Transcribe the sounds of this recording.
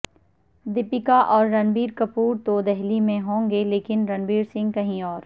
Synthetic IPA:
d̪ɪpɪkaʔɔːɾːɐnbiːɾkɐpuːɾt̪oːd̪ɛɦlimẽɦõːŋɡeleːkɪnɾɐnbiːɾsɪ̃ŋɡ̚kɐɦĩɔːɾ

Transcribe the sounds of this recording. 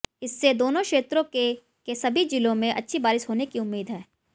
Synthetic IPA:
ɪsːed̪oːnõkʃeːt̪ɾõke | kesɐbʱid͡ʒɪlõmẽʔɐ̰tːʃʰibaːɾɪʃɦoːnekiʊmːiːd̪ɦɛː

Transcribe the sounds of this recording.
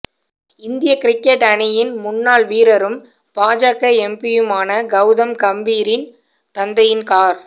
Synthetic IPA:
ɪnd̪ɪjɐkɪɾɪkːɛʈɐnɪjɪnmʊnːaːɭʋiːɾɐɾɯm | paːd͡ʒaːkɐɛmpɪjɯmaːnɐɡɐʊðɐmkɐmbiːɾɪn | t̪ɐnd̪ɐjɪnkaːɾ

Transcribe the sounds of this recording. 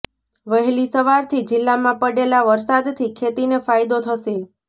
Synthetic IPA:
ʋəɦlisəʋaɾt̪ʰid͡ʒɪlːamãpəɽelaʋəɾsad̪t̪ʰikʰet̪inefajd̪ot̪ʰəʃe

